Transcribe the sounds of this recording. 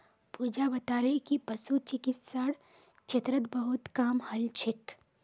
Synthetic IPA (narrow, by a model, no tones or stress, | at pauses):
puːd͡ʒabɐt̪aːɾekipɐsut͡ʃɪkɪt̪saːɽ | t͡ʃet̪ɾət̪bɐɦʊt̪kaːmhɐlt͡ʃʰɪk